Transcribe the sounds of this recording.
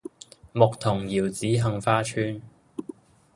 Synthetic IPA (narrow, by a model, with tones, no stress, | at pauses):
mʊ˨k̚t̪ʰʊ˨˩ŋjiː˨˩wt͡siː˨˥ɦɐ˧ŋfaː˥t͡ʃʰyː˥n